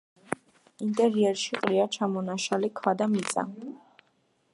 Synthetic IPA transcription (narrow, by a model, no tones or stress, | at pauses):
int̪ʼɛɾiɛɾʃiqʼɾiat͡ʃʰamɔnaʃalikʰwad̪amit̪sʼa̰